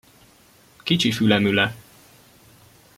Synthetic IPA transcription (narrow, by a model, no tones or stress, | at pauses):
kit͡ʃifylɛmylɛ